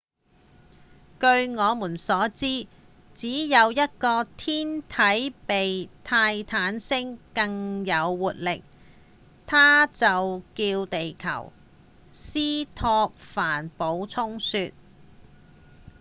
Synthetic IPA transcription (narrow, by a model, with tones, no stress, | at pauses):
kɵ˧ɥŋɔː˨˧muː˨˩nsɔː˨˥t͡siː˥ | t͡siː˨˥jɐ˨˧wjɐ˥t̚kɔː˧t̪ʰiː˥nt̪ʰɐ˨˥jpe˨jt̪ʰaː˧jt̪ʰaː˨˥nsɪ˥ŋkɐ˧ŋjɐ˨˧wːuː˨˩t̚lɪ˨k̚ | t̪ʰaː˥t͡sɐ˨wkiː˧wt̪e˨jkʰɐ̰˨˩w | siː˥t̪ʰɔː˧k̚faː˨˩npo˨˥wt͡sʰʊ˥ŋsyː˧t̚